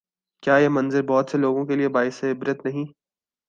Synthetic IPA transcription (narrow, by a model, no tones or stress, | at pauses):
kjaːjeːmɐ̃nzəɾbɔːt̪seloːɡõkeliebaːɪseɪbɾət̪nɐɦĩ